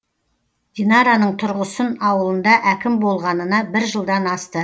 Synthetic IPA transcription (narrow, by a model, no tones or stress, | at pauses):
d̪̥inɑɾanəɴt̪ʰʊɾʁəsənɑwəlˠənd̪ɑʔækʲɪmbo̞lˠʁɑnənɑbɪɾʒəlˠd̪ɑnɑst̪ə